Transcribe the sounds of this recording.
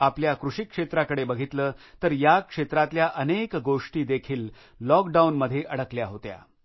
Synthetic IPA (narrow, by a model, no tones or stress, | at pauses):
apljakɾuʂikʂet̪ɾakəɽebəɡʱit̪ləːt̪əɾjakʂet̪ɾat̪ljaʔənekɡoʂʈiːd̪ekʰiːlː | ɔkɖaunməd̪ʱːjeʔəɽəkljaɦot̪ja̰